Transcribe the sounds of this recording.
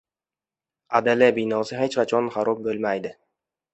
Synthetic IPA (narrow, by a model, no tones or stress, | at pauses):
ad̪alabɪnɒsɪhet͡ʃqʰɑt͡ʃʰɒnχaɾɒp̚bɵlmajd̪ɪ